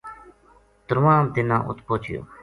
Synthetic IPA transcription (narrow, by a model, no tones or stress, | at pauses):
t̪ɾʋãːd̪ɪnã̰ːʔʊ̰t̪poːt͡ʃɪjo̰ː